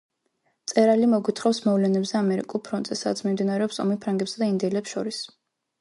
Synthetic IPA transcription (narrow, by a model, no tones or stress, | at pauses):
t̪sʼɛɾalimɔɡwit̪ʰχɔfsmɔvlɛnɛbzɛamɛɾḭkʼulˠpʰɾɔnt̪zɛsad̪at̪sʰmimd̪inaɾɛɔpsɔ̰mipʰɾaŋɡɛpsad̪aind̪ɛlɛpsʃɔɾis